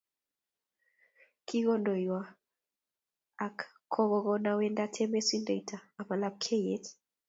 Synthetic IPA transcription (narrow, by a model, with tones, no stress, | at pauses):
kʰi˦ɣɔ˦ndɔ˨jwa˨ | a˨k | kʰːɔ˦ɣɔ˨ɣɔ˦nawɛ˦nda˦tʰɛ˦mɛ˦si˦nda˨itʰaː˨ma˨la˦b̚kʰe˦jet